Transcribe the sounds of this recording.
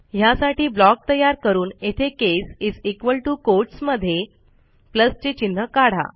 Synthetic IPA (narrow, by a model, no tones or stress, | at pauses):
ɦjasaʈiːblɔk̚t̪əjaɾkəɾuːnet̪ʰekesid͡zikʋəlʈukoɾʈsməd̪ʱːje | pləst͡ɕet͡ɕin̤ːəkaɽ̤a̰